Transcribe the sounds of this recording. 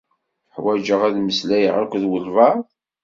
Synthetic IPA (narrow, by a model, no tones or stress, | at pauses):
ħwæd͡ʒəʁæðməslæjə̰ʕakʷðwəlvɑɾ